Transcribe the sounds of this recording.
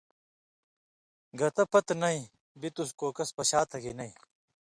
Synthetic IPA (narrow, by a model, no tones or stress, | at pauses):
ɡɐt̪ɐpɐt̪nɐĩ | bit̪uskoːkɐspɐɕaːt̪ʰɐɡinɐĩː